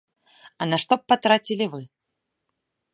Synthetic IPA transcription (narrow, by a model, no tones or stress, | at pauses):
ɐnɐʂt̪ɔpːat̪ɾat͡sʲilʲivɨ